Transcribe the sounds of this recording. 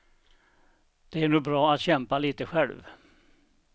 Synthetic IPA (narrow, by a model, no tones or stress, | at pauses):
d̪̥ɛæɳuːɡ̚bɾɑːat̪ɕɛmpaliːt̪əɧɛlv